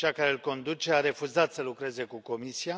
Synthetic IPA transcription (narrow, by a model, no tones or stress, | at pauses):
t͡ʃakaɾeɨlko̞nd̪ut͡ʃe̞aɾe̞fuzat̪səlukɾe̞ze̞kuko̞misia